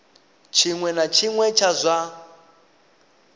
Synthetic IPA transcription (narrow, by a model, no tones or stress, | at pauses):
t͡ʃʰiŋwɛnat͡ʃʰiŋwɛt͡ʃʰazʷa